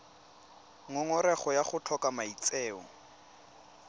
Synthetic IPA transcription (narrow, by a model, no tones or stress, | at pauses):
ŋɔŋɔɾɛχɔjaχʊt͡ɬʰɔkamait͡sʼɛːɔ